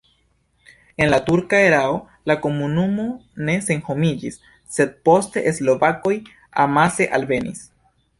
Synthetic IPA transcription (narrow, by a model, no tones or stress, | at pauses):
e̞nlatuɾkae̞ɾao | lako̞munumo̞ne̞se̞nho̞mid͡ʒisː | e̞d̪̚po̞ste̞̰ʔeslo̞vako̞j | a̰mase̞ʔalve̞nḭs